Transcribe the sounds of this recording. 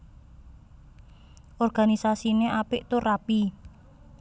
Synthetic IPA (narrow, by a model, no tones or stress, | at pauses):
ʔɔrɡ̥anisasineʔapɪʔt̪ʊrapi